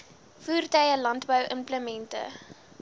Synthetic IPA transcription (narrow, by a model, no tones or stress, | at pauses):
fuːrtɐjəlɐntbəwʔəmpləmɛntə̰